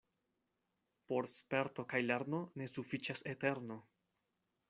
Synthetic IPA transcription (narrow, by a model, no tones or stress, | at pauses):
po̞ɾspe̞ɾto̞kajleɾno̞ne̞sufit͡ʃase̞te̞ɾno̞